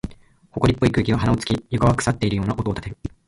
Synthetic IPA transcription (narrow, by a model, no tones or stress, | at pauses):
ho̞ko̞ɾʲipːo̞ikɯ̟ːkʲiβaɦanaot͡sɨ̥kʲijokaβakɯ̟̥sat̪ːe̞iɾɯ̟joːnaʔo̞t̪o̞ːt̪at̪eɯ